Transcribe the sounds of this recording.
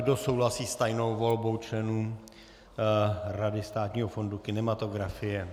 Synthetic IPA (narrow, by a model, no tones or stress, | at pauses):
doso̞wlasiːst̪ajno̞wvolbo̞wt͡ʃlɛnuː | ɾadɪst̪aːt̪ɲiːɦofo̞ndukɪnɛmat̪o̞ɡɾafɪjɛ